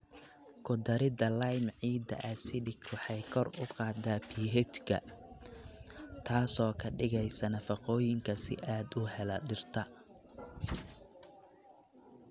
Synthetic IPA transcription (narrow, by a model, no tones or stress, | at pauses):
kʰʊd̪ɐɾɪd̪ɐlɐjmʕiːd̪ɐ̰ʔɐsɪdɪkwɑħɑjkʰɔrʊqɑːd̪aːpʰiːɦɛt̪kʰɐ̰ | t̪ʰaːsɔːkʰɐɖɪɣɛjsɐnɐfɑqɔːjɪŋkʰɐsɪ̰ʔaːd̪ʊhɛlɐɖɪrt̪ʰɐ